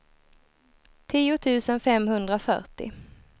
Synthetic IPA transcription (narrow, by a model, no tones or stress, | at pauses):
t̪ʰiːʊt̪ʰʉ̟ːsənfɛmɦɵnd̪ɾafœ̰ʈɪ̰